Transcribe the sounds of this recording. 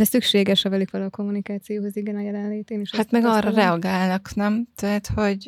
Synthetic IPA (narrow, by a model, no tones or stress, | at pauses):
d̪ɛsykʃeːɡɛʃhɒvɛlikʋɛlɛːko̞mːunikaːt̪sijoːɦoziɡɛnɒjɛlɛnleːt̪eːniʃhat̪mɛɡɒrɒrɛɒɡaːlnɒknɛmt̪ɛɦt̪ho̞ɟ